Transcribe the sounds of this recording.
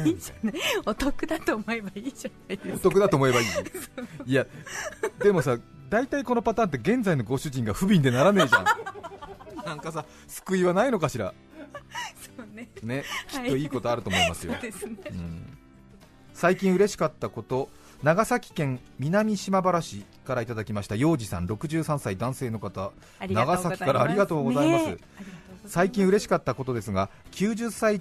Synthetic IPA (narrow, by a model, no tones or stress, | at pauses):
aot̪okɯ̟d̪at̪oːmoebaiːd͡ʑanaid̪eot̪o̞kɯ̟d̪at̪oːmo̞e̞baioia | d̪e̞mo̞sa | d̪ait̪aiko̞no̞pat̪ãːnt̪̬ːe̞ɡẽ̞nd͡zaino̞ɡo̞ɕɨʑĩŋɡaɸɯ̟bʲĩnd̪e̞naɾane̞ːʑã̰ | nãŋkasa | sɨ̥kɯ̟iβanaino̞kaɕiɾa̰ | soːnene̞kʲi̥t̪ːo̞iːko̞t̪o̞aɾɯ̟t̪o̞mo̞imasɨjo̰ɯ̰̃ | saikʲĩɰ̃ɯ̟ɾe̞ɕi̥kat̪ːako̞t̪o̞ | naɡasakʲi̥kẽ̞ŋ | mʲinamʲiɕimabaɾaɕi | kaɾait̪ad̪akʲimaɕi̥t̪ajo̞ːʑisã̰nɾo̞kɯ̟ʑɨːsãɰ̃said̪ãɰ̃se̞ːno̞kat̪a | naɡasakʲikaɾaːɾʲiɡat̪o̞ːɡo̞zaimasɨ | saikʲĩɰ̃ɯ̟ɾe̞ɕi̥kat̪ːako̞t̪o̞d̪e̞sɨɡakʲɨːʑɨsːai